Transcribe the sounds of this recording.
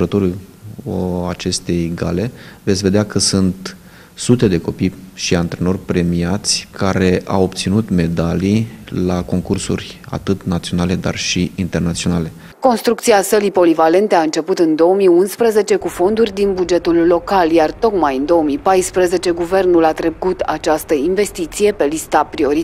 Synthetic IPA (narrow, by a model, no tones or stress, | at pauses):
ɾət̪oɾu | at͡ʃe̞st̪e̞jɡa̰le̞vet̪sʲve̞d̪eakəsunt̪ | sut̪e̞d̪e̞ko̞pijʃiant̪ɾeno̞rʲpɾe̞miat̪sʲkaɾe̞ʔa̰wop̚t̪sinut̪me̞d̪alilako̞ŋkursṵrʲa̰t̪ɨt̪nat̪sio̞nale̞d̪a̰rʃiint̪e̞rnat̪sio̞nale̞ | ko̞nst̪ɾuk̚t̪siasəlipo̞livale̞nt̪eaɨnt͡ʃe̞put̪ɨnd̪o̞əmiunspɾəze̞t͡ʃe̞kufo̞nd̪urʲd̪inbud͡ʒe̞t̪ulːo̞kaljart̪o̞kmajɨnd̪o̞omipajspɾəze̞t͡ʃe̞ɡuve̞rnulat̪ɾe̞kut̪at͡ʃast̪əinve̞st̪it̪sije̞pe̞list̪apɾio̞ɾi